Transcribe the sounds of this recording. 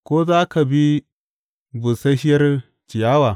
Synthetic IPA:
kʷoː˦zaː˦ka˨bi˦ | bu˨sɐ˦ʃɪ˦jɐ˦r | t͡ʃɪ˨jaː˦waː˨

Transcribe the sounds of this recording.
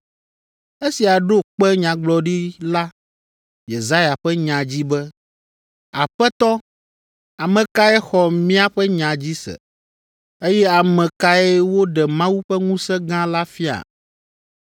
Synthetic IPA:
e˦si˨a˨ɖo˦k͡pɛ˦ɲã˨ɡ͡blɔ˨ɖi˦la˦ | je˨za˦ja˨ɸɛ˦ɲã˨d͡ʑi˦bɛ˦ | a̰˨ɸɛ˦t̪ɔ˦ | a˨mɛ̃˨ka˦ɛ˦xɔ˨mĩ˦a˦ɸɛ˦ɲã˨d͡ʑi˦sɛ̰˨ | e˦jɛ˦a˨mɛ̃˨ka˦ɛ˦wo˦ɖɛ˨mã˦wu˦ɸɛ˦ŋũ˦sɛ˦ɡã˦la˦fi˦a̰˨

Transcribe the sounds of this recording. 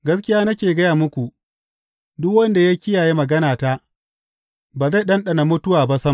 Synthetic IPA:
ɡɐ˦skʲɪ˦jaː˦nɐ˦kʲeː˨ɡɐ˦jaː˨mʊ˦kʷu˨ | dʊ˦k̚wɐ˦nda˨ja˦kʲɪ˦jaː˨ji˦mɐ˨ɡɐ˦naː˨ta˦ | baː˨za˦˨ɗɐ˦nɗɐ˨na˨mʊ˦tʊ˦waː˨ba˦sɐ˦m

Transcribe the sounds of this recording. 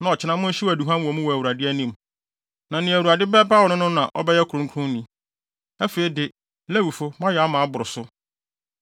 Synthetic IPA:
nã˨ɔ˨t͡ɕʰɪ˦nã˦mʊ̃˦n̩˦ɕi˦wæ˨du˨ɦã˦n˦wɔ̃˨˦m̃˦wɔ˨æ˨wu˨ɾa˨dɪ˦æ˦nĩ˦m | nã˨nɪ̃˨æ˨wu˨a˨dɪ˦bɛ˦ba˦wɔ˨nʊ̃˦nʊ̃˦nã̰˨ʔɔ̰˦bɛ˦jɛ˦kʰɾʊ̃˦ŋ˦kʰʊ̃˦nĩ˨˦ | æ˦feː˨i˨dɪ˨ | lɛ˦wu˨fʊ˦mã˦jɛ˨a˦mã˨a˦bʊ˨ɾʊ˨sʊ˦

